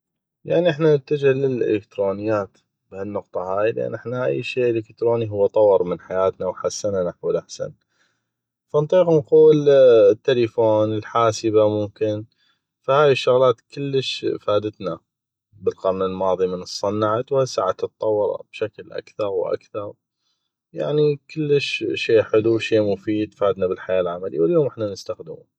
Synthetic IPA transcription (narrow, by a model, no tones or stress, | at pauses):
jaʕniʔɪħnanət̪ːad͡ʒalɪlʔɪ̰lɪk̚t̪ɾoːnɪjːaːt̪ | b̥hanːʊqt̪ˤɑɦaːjlʔa̰nʔɪħnaʔa̰jːʃiːʔəlɪkt̪ɾoːniɦʊwːt̪ˤɑwːɨɾˤmɪnħajaːt̪nawħasːananaħwɪlʔaħsa̰n | fant̪ˤiːqnquːlt̪ːɪlifoːnɪlħaːsəbamʊmkɪn | fahaːjɪʃːʊɣlaːt̪kɪlːəʃfaːd̪ət̪na | bɪlqɑɾˤnɪlmɑːðˤimənɨsˤːɑnːaʕat̪whajsaːʕat̪ɨt̪ˤːɑwːɑɾˤɑ̰b̥ʃaklʔa̰kθɑɾˤwʔa̰kθɑɾˤ | ja̰ʕnikʊlːəʃʃeːħʊluʃeːmʊfiːd̪faːd̪nabɪlħajaːlʕamalḭwɪljoːmʔɪħnanɪst̪axd̪ɪmṵ